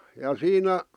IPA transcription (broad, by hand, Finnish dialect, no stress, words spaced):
jɑ siːnæ